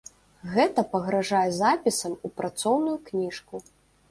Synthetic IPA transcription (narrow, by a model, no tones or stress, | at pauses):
ɣɛt̪ɐpɐɣɾaʐajɛzapʲisɐmupɾat̪sɔwnujuknʲiʂku